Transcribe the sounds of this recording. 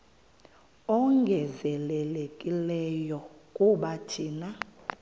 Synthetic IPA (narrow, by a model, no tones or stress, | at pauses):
ɔŋɡʱɛzɛlɛlekʼilɛjɔkʼuɓatʰiːna